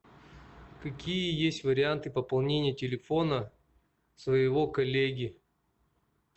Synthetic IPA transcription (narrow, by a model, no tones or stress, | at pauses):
kɐkʲijəjesʲtʲvəɾʲɪant̪ɨpəpɐlˠnʲenʲɪjətʲɪlʲɪfo̞nə | svəjɪvo̞kɐlʲeɡʲɪ